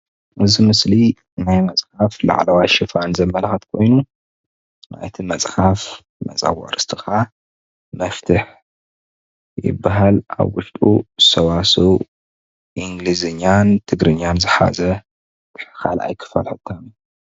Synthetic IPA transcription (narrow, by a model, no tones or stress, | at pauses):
ʔɨzimɨsli | najmɐsʼħafla̰ʕlɐwaʃɪfanzɐmːɐlxɐt̪kʰo̞jnu | na̰jt̪ʰimɐt͡sʼħaf | mɐ̰t͡sʼa̰wa̰ɾɨst̪ʰɨxa | mɐft̪ʰɨħ | jɪ̰bːaɦala̰βwʊʃt̪ʼṵsɐwasow | ʔiŋɡlizɨɲːant̪ʰɨɡɾɨɲːanzɨħa̰zɐ | t̪ʰɨ̥ħɨ̥xala̰jkʰɨ̥fɐlħɨt̪ʰːam